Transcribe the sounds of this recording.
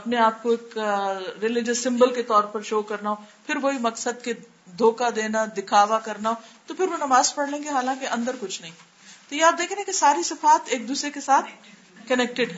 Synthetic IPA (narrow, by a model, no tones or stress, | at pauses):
ɐpneaːp̚koeːkɾɪlɪd͡ʒəsːɪ̃mbəlket̪ɔːɾpɐɾʃoːkɐɾnaɦopʰɪɾʋoimɐksəd̪̚ke | d̪ʱoːkad̪eːnad̪ɪkʰaːʋakɐɾnaɦoːt̪opʰɪɾʋonɐmaːzpɐɽlẽːŋɡeɦaːlãːkeʔɐ̃nd̪əɾkʊt͡ʃʰnɐɦĩː | t̪ojeaːp̚d̪eːkʰẽekesaːɾisɪfaːt̪ʰeːk̚d̪uːsɾekesaːt̪ʰ | kɐnɛːk̚ʈɪɖɦɛ̃